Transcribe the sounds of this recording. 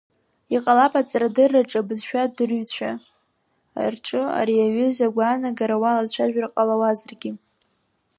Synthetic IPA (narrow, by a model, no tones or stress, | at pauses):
iqʼalapʼat͡sʼɾadɨrːaʈ͡ʂʼabɨzʃᶣadɨrɥt͡ɕʷʰa | a̰rʈ͡ʂʼɨa̰ɾiaɥʏzaɡʷaːnaɡaɾawalat͡ɕʷʰaʒᶣarqʼalawazarɡʲi